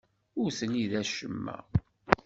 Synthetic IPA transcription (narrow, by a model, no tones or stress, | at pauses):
ʊɾθəniðæʃəmːæ̰